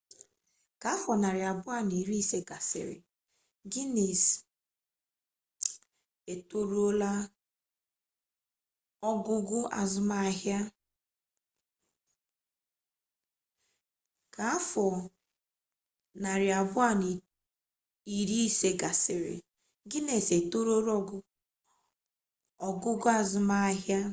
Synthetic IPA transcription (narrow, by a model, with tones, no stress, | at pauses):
ka˨˦fɔ˨na˨ɾɪ˨a˨bʊ˦a˦˨ni˨ɾi˦i˦se˦ɡa˨sɪ̰˨ɾɪ̰˨ | ɡi˦ne˨s | e˨to˦ɾu˦o˦la˦ | ɔ˦ɡʊ˦ɡʊ˦a̰˨zʊ˦ma˦˨ɦja˦ | ka˨a˦fɔ˨ | na˨ɾɪ˨a˨bʊ˦a˦˨ni˨ | i˨ɾi˦se˨ɡa˨sɪ˨ɾɪ̰˨ | ɡɪ˦ne˨se˨to˦ɾo˦ɾɔ˦ɡʊ˦ | ɔ˨ɡʊ˦ɡʊ˦a˨zʊ˨ma˦ɦja˦